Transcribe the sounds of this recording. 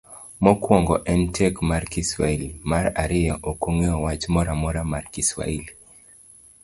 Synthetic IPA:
mɔkwɔŋɡɔʔɛntʰɛkmarkiswa̰ilmaɾaɾɪjɛʔokoŋeɔwat͡ʃmɔɾamɔɾamarkiswa̰il

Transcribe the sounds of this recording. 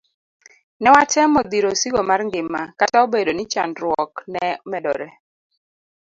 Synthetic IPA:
nɛwat͡ʃɛmɔd̪iɾosiɡomarŋɡɪmːakataobedonit͡ʃa̰ndɾwɔknɛmɛdɔ̰ɾɛ

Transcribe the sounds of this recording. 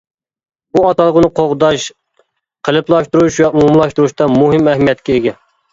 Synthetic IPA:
buɑt̪ɑlˠəʁənɨqʰoʁd̪ɑʃ | qʰəlˠɨplˠɑʃt̪uɾuʃwɛumumlˠɑʃt̪uɾuʃt̪ɑmuɦɪmɛhmijɛt̪kʲɛeɡʲɛ

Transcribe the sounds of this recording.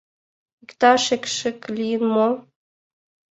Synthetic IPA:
ikt̪ɑʃekʃɘ̆klʲijənmo

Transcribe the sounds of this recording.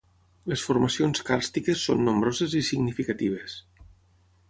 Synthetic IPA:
lesfuɾmasionskaɾst̪ikesːo̰nːombɾɔzezisiɡnifikat̪iβ̞es

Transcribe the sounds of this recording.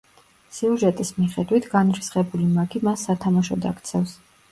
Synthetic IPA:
siuʒɛt̪ʼismiχɛd̪wit̪ʰɡ̥anɾisχɛbulimaɡimasːat̪ʰamaʃɔd̪a̰kt̪sʰɛfs

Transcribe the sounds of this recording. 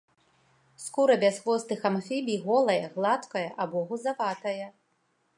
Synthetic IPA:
skuɾɐbʲasxvɔst̪ɨxamfʲibʲiɣɔlˠɐjɐɣlˠat̪kɐjɐʔabɔɣuzavat̪ɐjɐ

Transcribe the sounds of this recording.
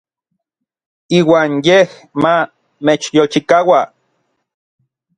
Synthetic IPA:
iːwaːnjeh | ma | met͡ʃjolt͡ʃikawa

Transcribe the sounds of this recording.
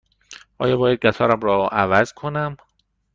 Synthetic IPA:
ʔɒ̰ːjɒːbɒːjæd̪̚ɡæt̪ʰɒːɾæmɾɒʔævæzkʰonæm

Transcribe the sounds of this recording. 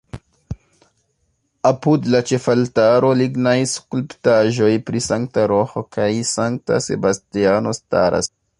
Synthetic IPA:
apudlat͡ʃe̞faltaɾo̞liɡnajskulptaʒo̞jpɾisaŋktaɾohokʰajsaŋk̚ta̰se̞̰bastiano̞sta̰ɾa̰s

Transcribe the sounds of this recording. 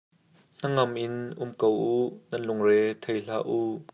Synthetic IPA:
n̥ɐŋɐmʔɪnʔʊmkowunɐnlʊŋrɛːt̪ʰejɬaːʔuʔ

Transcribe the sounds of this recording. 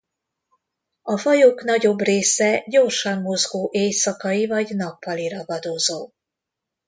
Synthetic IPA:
ɒfɒjoːkn̪ɒɟo̞breːsɛɟo̞rʃɒnːo̞zɡoːʔeːjsɒkɒivɒɟnɒpːɒliɾɒbɒd̪ozoː

